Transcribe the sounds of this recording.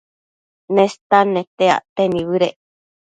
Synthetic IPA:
nẽst̪anẽt̪ea̰ʔt̪enĩβɨɾeʔ

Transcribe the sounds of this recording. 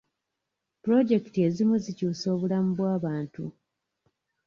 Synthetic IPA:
pɾo̞ɟe̞ktie̞zimuzicuːso̞ːβulamubwaːβaːntṵ

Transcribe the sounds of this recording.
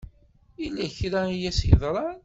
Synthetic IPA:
ilːæçɾæijæsjðˤɾˤɑn

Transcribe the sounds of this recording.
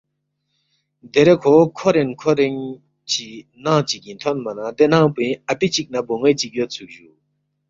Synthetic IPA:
d̪eɾekʰokʰoɾenkʰoɾiŋ | t͡ɕinaŋt͡ɕikit̪ʰɔnmanat̪enaŋpeapit͡ɕik̚naboŋet͡ɕiʔ̚jøt͡sʰuʑu

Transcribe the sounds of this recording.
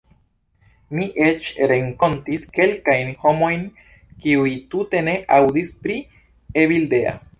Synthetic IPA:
miʔet͡ʃɾe̞ŋko̞ntiske̞lkajnho̞mo̞jn | kiujtute̞ne̞ʔawdispɾi | eβilde̞a̰

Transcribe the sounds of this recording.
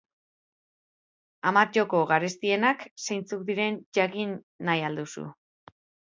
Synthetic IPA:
amat͡ʃoko̞ɣaɾest̪ie̞naksejnt͡suk̚d̪iɾe̞nʝakinː | ajald̪usṵ

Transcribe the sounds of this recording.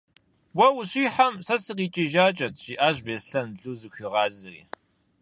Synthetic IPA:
wɐwʊɕiːħamsɐsɨq̬iːt͡ʃʼiʒaːt͡ʃʼɐtʰʒ̥iʔaːʑbeːɬɐnɮuːzɨɕʷɪʁɑːzɨrḭː

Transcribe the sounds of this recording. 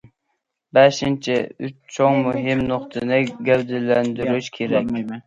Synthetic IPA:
bɛʃɪnt͡ʃʰɪʊt͡ʃt͡ʃʰoŋmʊɦɪmnʊqt̪ʰɨnɪɡʲæbd̪ɪlːænd̪yɾyʃkʲʰeɾɛkʲ

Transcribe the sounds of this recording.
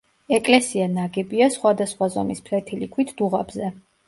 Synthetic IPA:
ɛkʼlɛsianaɡɛbiasχwad̪asχwazɔ̰mispʰlɛt̪ʰilikʰwit̪ʰd̪̥uʁabzɛ

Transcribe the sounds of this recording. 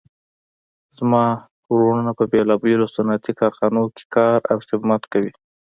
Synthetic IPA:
z̥mɑ | ɾoɳənapəbelɑbelosʊnat̪ikɑɾxɑnoke̥kɑɾa̰wxɪbmat̪kawi

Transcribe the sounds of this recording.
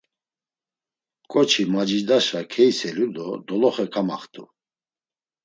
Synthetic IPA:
kʼɔt͡ʃʰimad͡ʒid͡ʒd̪aʃakʰɛjsɛlud̪ɔd̪ɔlɔχɛkʰama̰χt̪ʰʼṵ

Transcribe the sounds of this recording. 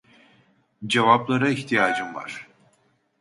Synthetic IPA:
d͡ʒevaplˠaɾaiçt̪ʰijaːd͡ʒɯmva̰ɾ̥

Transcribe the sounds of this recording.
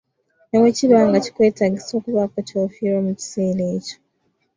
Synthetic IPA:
newecilwaːŋɡaci̥kwe̞ːtaɡiso̞ːkuβakwocofiɾoːmuci̥se̞ːleːco̥

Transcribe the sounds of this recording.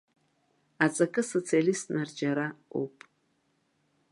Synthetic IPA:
at͡sʼɐkʼɨsot͡sʰialistnard͡ʒaɾaṵpʼ

